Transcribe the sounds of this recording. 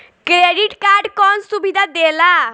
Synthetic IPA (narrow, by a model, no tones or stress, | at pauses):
kɾeɖiʈkaɾɖkɔnsubid̪ʱad̪ela